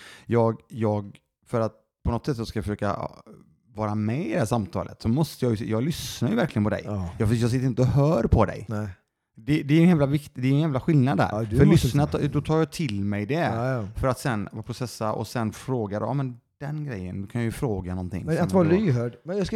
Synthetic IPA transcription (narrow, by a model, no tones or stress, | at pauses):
jɑːɡjɑːɡ | fœɾat̪̚ | pʰɔnɔt̪sɛt̪ːsɑɡskafəʂøːka̰ | vɑːɾamɛɪd̪hæːʂamt̪ʰɑ̰ːlʔə̰t̪sɔmɔst̪əjɑːjjɑːɡlʏsnaɾjɵvæɾklɪɡənpɔd̪ɛ̰jjɑːjɑːɡsɪt̪ːɾɪnt̪əɔɦœːɾpʰɔd̪ɛ̰j | d̪ɛd̪ɛɾɛnjæːmlavɪkt̪d̪ɛɛnjæːmlaɧɪlnad̪æ̰ɾfœlʏsnat̪ʰd̪ɔt̪ʰɑːɾjɑt̪ʰɪlmɛjd̪ɛfœɾat̪sɛnvpɾʊsɛsːaʔɔ̰sɛnfɾoːɡad̪̰ːmɛn | d̪̥ɛnɡɾɛjːə̰nd̪ɵkʰanjajɵfɾoːɡanɔnt̪ʰɪ̰ŋːat̪vɑːɾlyɦøːɖmɛnjɑs